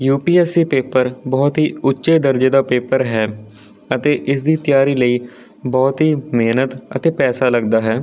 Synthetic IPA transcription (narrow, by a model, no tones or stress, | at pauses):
juːpiːɛsiːpeːpəɾbɔːt̪ɦiːʊtːʃeːd̪əɾd͡ʒeːd̪aːpeːpəɾɦɛː | ət̪eːʔɪsd̪iːt̪jaːɾiːləiː | bɔːt̪ɦiːmeːnət̪ət̪eːpɛːsaːləɡd̪aːɦɛː